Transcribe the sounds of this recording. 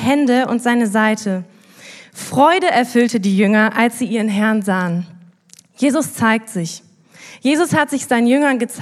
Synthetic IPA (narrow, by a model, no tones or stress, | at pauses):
ɦɛndəʔʊntz̥aɪnəzaɪtʰə | fʁ̥ɔʏdəʔɛɐfʏltədiːjʏŋɐʔalsz̥iːʔiːʁənɦɛɐnzaːən | jeːzʊst͡saɪk̚tz̥ɪç | jeːzʊshatz̥ɪçz̥aɪnənjʏŋɐnɡət͡s